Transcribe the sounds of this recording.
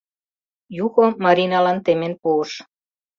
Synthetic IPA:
juɣomɑɾinɑlɑnt̪emenpuəʃ

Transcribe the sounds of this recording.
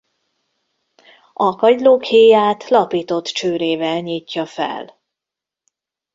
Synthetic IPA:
ʔɒkɒɟloːkheːjaːt̪lɒpiːt̪o̞t̪t͡ʃøːɾeːvɛlɲiːcːɒfɛ̰l

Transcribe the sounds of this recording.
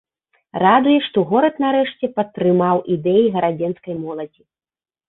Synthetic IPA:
rad̪ujɛʂt̪ɔɣɔɾɐt̪naɾɛʂt͡sʲɛpɐt̪ːɾɨmawʔid̪ɛjiɣɐɾad͡zʲɛnskɐjmɔlˠɐd͡zʲi

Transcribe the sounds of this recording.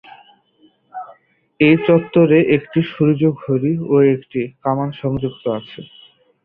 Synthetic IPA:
ejt͡ɕɔt̪ːoɾeʔekʈiʃuɾud͡ʑoɡɦoɾioekʈikamanʃɔŋd͡ʑuk̚t̪oat͡ɕʰe

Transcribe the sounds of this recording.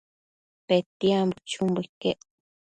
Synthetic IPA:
pet̪iambut͡ʃumbukeʔ

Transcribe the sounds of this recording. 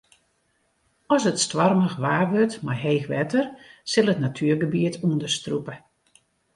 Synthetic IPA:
ɔsətstʋɔrməxʋaːʋørtmarɦeːxʋɛtərsɪlˠətnatʰyːrɡəbiətʰuəndəstrupə

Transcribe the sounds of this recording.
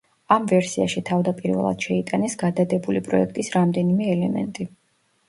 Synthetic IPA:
amvɛɾsia̰ʃit̪ʰavd̪apʼiɾvɛ̰lˠa̰d̪̥ʃɛit̪ʼanɛsɡad̪ad̪ɛbulipʼɾɔ̰ɛkʰt̪ʼisɾamd̪ɛnimɛːlɛmɛ̰nt̪ʼi

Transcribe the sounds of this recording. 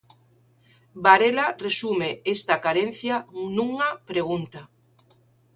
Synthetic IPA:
baɾelaresumeest̪akaɾen̟θjanũŋapɾeɣ̞unt̪a

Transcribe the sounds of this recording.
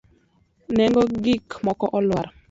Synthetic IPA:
nɛŋɡɔɡikmɔkɔʔɔlwaɾ

